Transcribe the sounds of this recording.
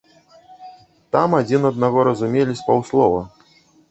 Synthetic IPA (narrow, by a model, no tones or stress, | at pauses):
t̪amad͡zʲinɐd̪̚naɣɔɾɐzumʲelʲisʲpawslˠɔvɐ̰